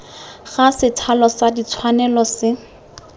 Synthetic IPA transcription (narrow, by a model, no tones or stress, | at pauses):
χasɪtʰalɔsadit͡sʰwanɛlɔsɪ